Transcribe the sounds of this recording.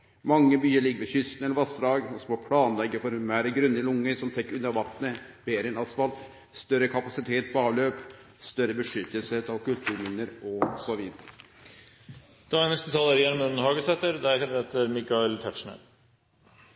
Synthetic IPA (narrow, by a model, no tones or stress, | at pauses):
mɑŋːəbyːəɭɪɡːəʋɛɕʏst̪nɛləɾʋɑst̪ɾɑːɡɔsmoːpʰɽɑːnlɛɡːəfɔɾmæːɾəɡɾʉnːəɾɪlʊŋːəɾsɔmt̪ʰɛkːʉnːɑʋɑt̪nəbeːɾəɛnɑsfɑlt̪ | st̪œɾəkʰɑpɑsɪt̪ʰeːt̪̚pʰɔɑːʋløːp | st̪œɾəbəʂʏt̪ːəlsəheːt̪ɑʋkʉlt̪ʰʉːɾmɪnːəɾɔsɔʋiːd̪əɾə | d̪̥ɛænɛst̪ət̪ʰɑləɾiːæɾmʉnn̩hɑːɡəsɛt̪ːəɾd̪æɾkɑnɾeːt̪əɾmɪkɑɪlt̪ʰæʈʂɳə̰